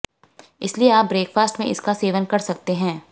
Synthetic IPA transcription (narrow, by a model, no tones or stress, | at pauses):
ɪslieaːp̚bɾeːkfaːsʈmḛ̃ʔɪ̰skaseːʋənkɐɾsɐk̚t̪eɦɛ̃ː